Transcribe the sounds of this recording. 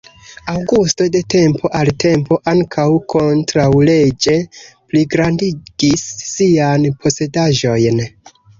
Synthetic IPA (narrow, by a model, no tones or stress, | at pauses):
awɡusto̞de̞te̞mpʰo̞ʔalte̞mpo̞ʔaŋkʰawkʰo̞ntɾawle̞d͡ʒe̞pliɡɾandiɡisːianpʰo̞se̞daʒo̞jn